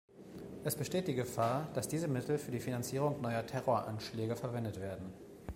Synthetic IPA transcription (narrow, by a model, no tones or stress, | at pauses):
ʔɛsb̥əʃteːt̚d̥iːɡəfaːɐd̥asd̥iːzəmɪtʰl̩fyːɐdiːfinant͡siːʁ̞ʊŋnɔʏɐtʰɛʁoːɐʔa̰nʃlɛːɡəfɛɐvɛndətv̥eːɐdn̩